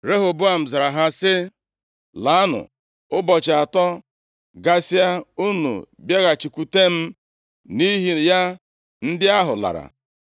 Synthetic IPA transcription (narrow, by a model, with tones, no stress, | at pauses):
ɾe˦ɦo˨bʊ˦a˨m̩˨za˨ɾa˨ɦa˦sɪ˦ | la˨˦a˦nʊ̰˨ | ʊ˦bɔ˨t͡ʃa˨tɔ˦ | ɡa˦si˦a˦u˦nṵ˨ | bje˦ɣa˨t͡ʃi˨kʷu˨te˦m̩˦ | ni˦ɦi˨ja˦ | n̩˦dɪ˦a˦ɦʊ̰˨la̰˨ɾa̰˨